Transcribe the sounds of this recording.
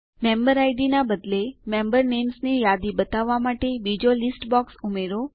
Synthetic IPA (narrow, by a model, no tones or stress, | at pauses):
membəɾajɖinabəd̪lemembəɾnemsnijad̪ibət̪aʋːamaʈebid͡ʒolisʈbɔksumeɾo